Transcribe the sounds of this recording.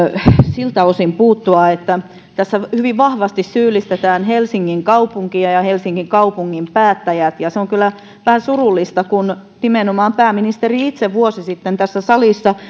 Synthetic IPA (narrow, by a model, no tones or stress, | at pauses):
silt̪æosimpuːt̪ːuɑet̪ːæ | t̪æsːæhyʋiʋʋɑhʋɑst̪issyːlːˑist̪et̪æːnhelsiŋːiŋkɑupuŋkiɑjɑhelsiŋːiŋkɑupuŋːimpæːt̪ːæjæt̪jɑseoŋkylːˑæ | ʋæhæsurulːˑist̪ɑkun | nimenomɑːmpæːminist̪eriit̪seʋʋuosisit̪ːent̪æsːæsɑlisːɑ